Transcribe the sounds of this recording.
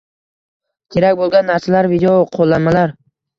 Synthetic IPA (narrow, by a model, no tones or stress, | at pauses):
kʲʰe̞ɾakʲbolˠɡʲanːaɾsalaɾvid̪eoqʰolˠːanmalaɾ